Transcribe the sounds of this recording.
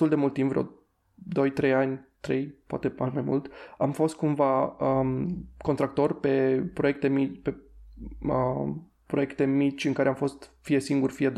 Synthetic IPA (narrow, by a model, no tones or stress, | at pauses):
t̪uld̪e̞mult̪ːimpvɾeo̰ | d̪o̞jt̪ɾe̞janʲt̪ɾejpoa̰t̪e̞parmajmṵlt̪amfo̞st̪̚kumvaəko̞nt̪ɾak̚t̪o̞rpe̞pɾo̞je̞k̚t̪e̞mipe | ə | pɾo̞je̞kt̪e̞mit͡ʃʲɨŋkaɾeamfo̞st̪fije̞siŋɡurfije̞d̪